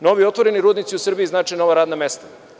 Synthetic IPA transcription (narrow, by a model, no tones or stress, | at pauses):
no̞ʋiot̪ʋoɾeniɾuːd̪nit̪siusr̩biiznaːt͡ʃɛjno̞ʋaɾaːd̪name̞st̪ḁ